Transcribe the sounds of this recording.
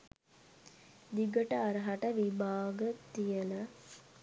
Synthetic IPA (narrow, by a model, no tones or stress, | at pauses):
d̪iɡəʈɐːɾɐɦaʈəʋibʱaːɡət̪ijəla